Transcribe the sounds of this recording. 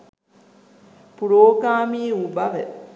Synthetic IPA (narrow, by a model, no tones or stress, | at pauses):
puɾoːɡaːmiːubɐʋə̰